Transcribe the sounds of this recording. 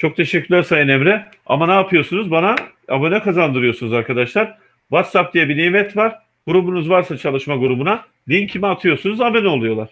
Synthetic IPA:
t͡ʃʰo̞k̚t̪ʰe̞ʃɛcːyɾʲlʲæɾsajɯnemɾɛ | a̰manaːpʰɯjo̞sunuzbana | abonɛkʰazand̪ɯɾɯjo̞sunuzaɾkad̪aʃlˠaɾ̥ | vat̪sap̚d̪ijɛbinemɛt̪ʰvaɾ̥ | ɡ̥uɾubunuzvaɾsat͡ʃʰalˠɯʃmaɡuɾubuna | d̪eiincʰimɛat̪ʰɯjo̞sunuzabenolˠujo̞lˠaɾ̥

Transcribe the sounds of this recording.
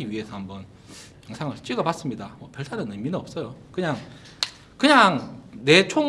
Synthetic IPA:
iɥiɦe̞sʰʌambʌn | jʌŋsʰaŋɯɭt͡ɕ͈ɥiɡʌpas͈ɯmɲidamʌpjʌɭtʰanɯnɯminɯʌp̚s͈ʌjokɯɲaŋ | kɯɲaŋne̞t͡ɕʰo

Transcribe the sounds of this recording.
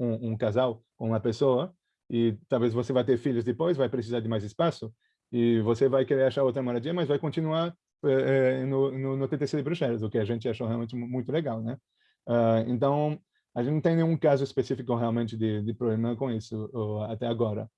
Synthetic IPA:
ũũkazawkõũmɐpesoɐ | ɪt̪awvezvosevajt̪eɾfiʎʊzd̪ɪpojzvajpɾesizaɾd̪ɪmajzɪspasʊ | ɪvosevajkeɾeɾaʃaɾowt̪ɾɐmoɾad̪iɐmɐzvajkõnt̪inuaɾ | ɛɛnʊnʊnʊt̪ẽt̪esiɐd̪ɪbɾuʃɛɾɐzʊkɪaʒẽnt͡ʃ̪ɪaʃohealmẽnt͡ʃɪmũj̃t̪ʊleɡawnɛ | aḛ̃nt̪ɐ̃w̃ | aʒẽñt̪ẽnẽũkazʊespesifikʊɦealmẽnt̪ɪd̪ɪd̪ɪpɾoblemɐ̃kõisʊoat̪ɛaɡɔɾɐ̰

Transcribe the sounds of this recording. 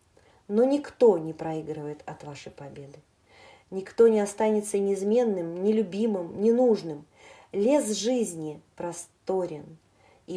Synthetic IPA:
no̞nʲɪkt̪o̞nʲɪpɾɐiɡɾɨvəjɪt̪ɐt̪vaʂəjpɐbʲe̞d̪ɨ | nʲɪkt̪o̞nʲɪɐst̪anʲɪt̪sənʲɪɪzmʲe̞nːɨmnʲɪlʲʊbʲimɨmnʲɪnuʐnɨm | lʲe̞s̬ʐɨzʲnʲɪpɾɐst̪o̞ɾʲɪn | i

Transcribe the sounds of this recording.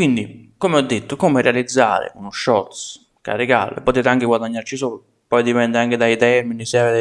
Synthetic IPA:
kwind̪ikomeɔd̪ːet̪ːokɔːmerealid̪zːa̰ːɾɪ̰unʊʃːɔrt̪s | ka̰rːeɡa̰ːlo̰ɛ̰pːot̪eːt̪aŋkɪɡwad̪aɲːaɾt͡ʃisuːlʊ | pɔjd̪ipɛnd̪ɪaŋkɪd̪ait̪ɛɾminisɪave

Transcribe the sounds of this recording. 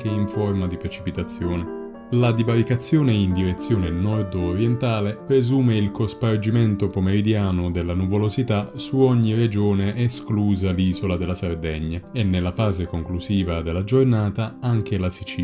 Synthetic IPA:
keiɱfɔrmad̪ipɾet͡ʃipit̪at̪sːjɔːne | lad̪ibaɾikat̪sːjɔːneind̪iɾet̪sːjɔːnenɔrd̪ːɾjɛnt̪aːlepɾezuːmeilkospard͡ʒimɛnt̪opomeɾid̪jaːnʊd̪elːanuvolozit̪asuɔɲːired͡ʒɔːneʔɛskluːzaliːzolad̪elːasard̪ɛɲːaɛnːelːafaːzekoŋkluziːvad̪elːad͡ʒornaːt̪aaŋk̟elasit͡ʃi

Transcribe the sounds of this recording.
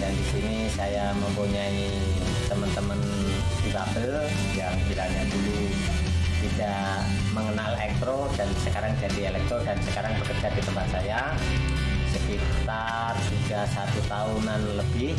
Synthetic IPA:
dandisinisajaməmpuɲai | t̪əmənt̪əmən | pibabəl | jaŋpiɾaɲadulu | t̪idaʔʔʔ | məŋənalɛk̚t̪ɾodansəkaɾaŋd͡ʒadielɛk̚t̪ɾɔdansəkaɾaŋbəkərd͡ʒardit̪əmpat̪̚saja | səkit̪a | rsiɡasat̪ut̪aunanləbɪh

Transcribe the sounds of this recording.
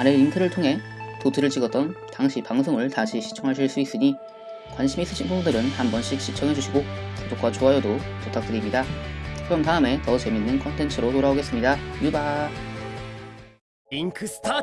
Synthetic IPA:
anɯintʰɯɾɯɭtʰoŋɦe̞ | totʰɯɾɯɭt͡ɕiɡʌt̚t͈ʌntaŋɕʰipaŋs̬ʰoŋɯɭtaɕʰiɕʰi̥t͡ɕʰʌŋɦaɭɕʰiɭs͈uis͈ɯɲi | kwanɕʰimis͈ɯɕʰinpʰunbudɯɾɯnhambʌnɕ͈ik̚ɕ͈ʰit͡ɕʰʌŋɦe̞d͡ʑuɕʰiɡokud͡ʑok͈wat͡ɕoɦajʌdototʰak̚t͈ɯɾimɲidakɯɾʌmtaɯme̞tʌt͡ɕe̞minːɯnkʰʌntʰe̞nt͡ɕʰɯɾotoɾaoɡe̞s͈ɯmɲidajuba | inkʰtʰ

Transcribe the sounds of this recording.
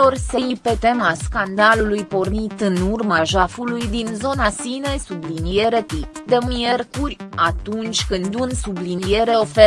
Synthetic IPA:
o̞rseipe̞t̪e̞maskand̪alulujpo̞rnit̪ɨnurmaʒafulujd̪inzo̞nasinesublinije̞ɾet̪ipd̪emie̞rkurʲat̪unt͡ʃʲkɨnd̪unsublinije̞ɾe̞o̞fe

